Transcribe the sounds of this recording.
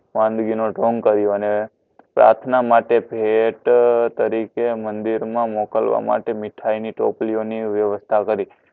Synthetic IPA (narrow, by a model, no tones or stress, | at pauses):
ʋãnd̪ɡinoɖoŋɡkəɾjoəne | pɾa̰ɾt̪ʰnamaʈepeʈt̪əɾikemə̃nd̪iɾmãmɔkəlʋa̰ma̰ʈemɪʈʰainiʈo̰plioniʋjəʋəst̪ʰakəɾi